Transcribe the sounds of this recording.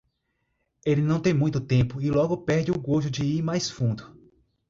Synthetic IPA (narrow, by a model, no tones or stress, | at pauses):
elɪnɐ̃w̃t̪ẽj̃mũj̃t̪ʊt̪ẽpʊɪlɔɡʊpɛɾd͡ʒɪʊɡoʒʊd͡ʒɪiɾmajsfũnd̪ʊ